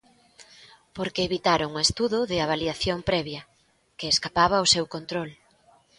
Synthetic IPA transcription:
poɾkeːβit̪aɾoŋest̪uðʊðɪaβaliaθjompɾɛβjɐ | keːskapaβɐosewkont̪ɾol

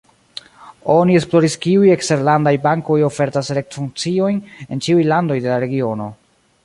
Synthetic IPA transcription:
o̞nie̞splo̞ɾiskiuje̞kste̞ɾlandajbaŋko̞jo̞fe̞ɾtasɾe̞k̚tfuŋt͡sio̞jne̞nt͡ʃiujlando̞jde̞laɾe̞ɡio̞no̞

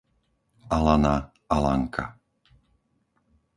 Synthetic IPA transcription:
alana | ala̰ŋkʰa

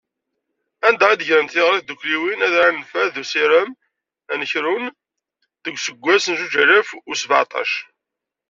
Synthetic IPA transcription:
ænd̪æʁid̪əʝɾənt̪ɪʁɾiθd̪ukːliwinæðɾanəfæððusiɾəm | ænəçɾun | ðəɡʷsəɡʷːæsənud͡ʒæɾəfʊsva̰t̪ˤɑ̰ʃ

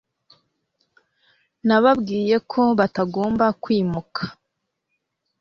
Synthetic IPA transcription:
naβabɡiːje̞kʰo̞βataɡo̞ːmbakwiːmukʰḁ

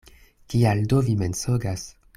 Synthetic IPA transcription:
kialdovimensoɡas

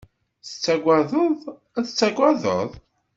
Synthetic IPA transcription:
θə̥t͡sːæɡʷæðˤəðˤ | æθət͡sːæɡʷæðə̰ðˤ

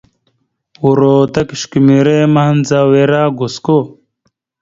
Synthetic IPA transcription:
wuɾoːt̪ɐkiɕkimiɾemɐhnzaweɾaːɡosko

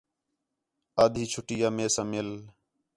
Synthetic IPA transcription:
aːd̪ʱiːt͡ʃʰʊʈiːjaːmeːsãːmɪl

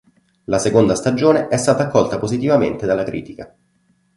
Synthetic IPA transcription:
lasekond̪ast̪ad͡ʒoːneʔɛst̪aːt̪aːkːɔlt̪apozit̪ivament̪ed̪alːakɾʔḭːt̪ika

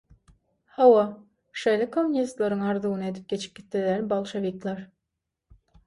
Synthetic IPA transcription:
hɑwɑ | ʃejlʲekʰomunʲist̪lˠɑɾɯŋɑɾd̪uɣnɯe̞d̪ip̚ɡʲe̞t͡ʃʰi̥p̚ɡʲit̪ːid̪ælbɑlˠʃevik̪lˠɑɾ

